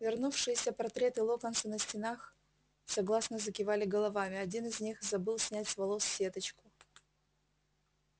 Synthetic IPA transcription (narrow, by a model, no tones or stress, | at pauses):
vʲɪrnufʂɨjɪsʲəpɐrt̪ɾʲe̞t̪ɨlˠokənsənəsʲtʲɪnax | sɐɡlˠasnəzəkʲɪvalʲɪɡəlˠɐvamʲɪɐdʲinɨzʲnʲixzɐbɨlˠsʲnʲætʲsvɐlˠosːʲe̞t̪ət͡ɕkʊ